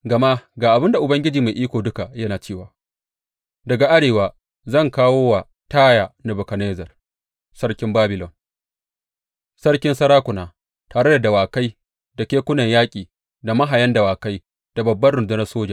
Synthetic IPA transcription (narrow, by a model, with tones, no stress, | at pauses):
ɡɐ˨ma˦ɡaː˨ʔa˨bɪ˦nda˨ʔʊ˨bɐ˦ŋɡʲɪ˦d͡ʒiː˨ma˨jʔiː˦kʷoː˨dʊ˦ka˨jɐ˦naː˨t͡ʃeː˦˨waː˨ | dɐ˨ɡa˨ʔa˦ɽeː˨waː˨ | zɐ˦˨ŋkaː˦woː˦wa˨ | taː˦ja˨nɐ˨bʊ˨kɐ˨neː˦zɐ˨r | sɐ˦ɽkʲɪ˦mbaː˦bɪ˨lɔ˨n | sɐ˦rkʲɪ˦nsɐ˦ɾaː˦kʷʊ˨naː˨ | taː˨ɽe˦da˨dɐ˨waː˨ka˦j | da˨kʲeː˦kʷʊ˦nɐ˨ɲjaː˦kʲʼiː˨ | da˨mɐ˦ɦa˨jɐ˦ndɐ˨waː˨ka˦j | d̥a˨bɐ˨bːɐ˦rɽʊ˨ndʊ˦nɐ˦rsoː˦d͡ʒɐ˨